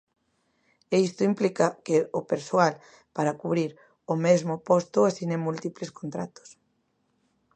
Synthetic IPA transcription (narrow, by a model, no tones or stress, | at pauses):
eist̪ʊimplikɐkɪʊpeɾsoal | paɾɐkuβɾiɾ | ʊmezmʊpost̪ʊasinemult̪ipleskont̪ɾat̪o̥s